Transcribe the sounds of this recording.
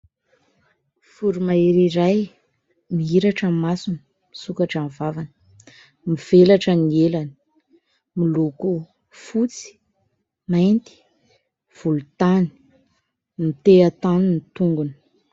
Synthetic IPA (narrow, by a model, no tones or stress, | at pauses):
fuɾumaiɾiɾaj | miiɾaʈ͡ʂəmasunə | misukaʈ͡ʂanivavanə̥ | miv̥elaʈ͡ʂənielani̥ | miluku | fut͡si̥ | majnt̪i̥ | v̥ulut̪ani̥ | mit̪eat̪aninit̪uŋɡunə̥